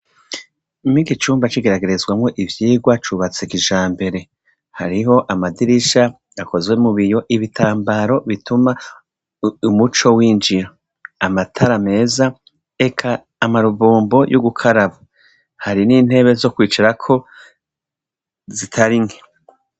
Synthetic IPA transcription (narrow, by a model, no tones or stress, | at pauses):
miɡit͡ʃuːmbat͡ʃiɡe̞ɾaɡe̞ɾe̞zɡwamŋo̞ʔivjiːɡwat͡ʃuβat͡sekiʒaːmbe̞ɾe̞ | haɾiɦo̞ʔamadiɾiʃa | akʰo̞zɡwe̞muβijo̞ʔiβitʰaːmbaɾo̞βituma | umut͡ʃo̞wiːnd͡ʒiɾo | amatʰaɾame̞ːza | e̞kʰaː | maɾubuːmbo̞jʔuɡukʰaɾaβo | haɾiniːn̥he̞βe̞zo̞kwiːt͡ʃiɾakʰo̞ | zitʰaɾiŋe̥